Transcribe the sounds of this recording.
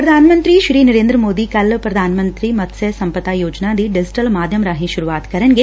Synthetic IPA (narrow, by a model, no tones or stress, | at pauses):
pɾɐd̪ʱaːnmɐnt̪ɾiʃɾiːnɐɾeːnd̪ɾɐmoːd̪ikɐlpɾɐd̪ʱaːnɐmɐnt̪ɾimɐt̪sesɐmpɐt̪aːjoːd͡ʒnaːd̪iɖid͡ʒiʈɐlmaːd̪ʱjɐmɾaːɦiʃuɾuʋaːt̪kɐɾɐnɡe